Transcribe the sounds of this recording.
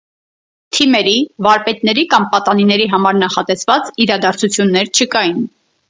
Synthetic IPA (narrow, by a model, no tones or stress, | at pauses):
t̪ʰimɛɾivɑɾpɛt̪nɛɾikɑmpɑt̪ɑninɛɾiɦɑmɑɾnɑχɑt̪ɛsvɑt͡siɾɑd̪ɑɾt͡sʰut͡sʰjunːɛɾt͡ʃʰəkɑjin